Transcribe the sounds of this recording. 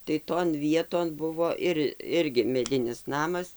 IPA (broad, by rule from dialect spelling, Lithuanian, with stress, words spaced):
tɐɪ toːn ˈʋʲiɛtoːn ˈbʊʋoː ɪr ˈɪrʲɡʲɪ mʲɛˈdʲɪnʲɪs ˈnɑːmɐs